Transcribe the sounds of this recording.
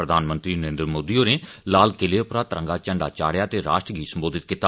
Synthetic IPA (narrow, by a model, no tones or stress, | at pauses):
ɾəd̪ʱaːnmənt̪ɾiːnəɾẽːnd̪ɾmoːd̪iːoːneːlaːlkɪleːʊpɾaːt̪əɾə̃ŋɡaːt͡ʃəɳɖaːt͡ʃaːɽjaːt̪eːɾa̰ːʃʈəɡʱiːsəmboːd̪ʱɪt̪̚kɪt̪aː